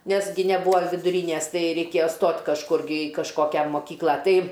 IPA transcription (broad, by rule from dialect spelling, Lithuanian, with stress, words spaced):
ˈnʲɛs ɡʲɪ nʲɛˈbuːɐ ʋʲɪdʊˈrʲiːnʲæs ˈtɐɪ rʲɛɪkʲeːjɛ ˈstoːtʲ kɐʃˈkʊr ɡʲɪ ɪ kɐʃˈkoːkʲɛ moːˈkʲiːklˠɐ ˈtɐɪ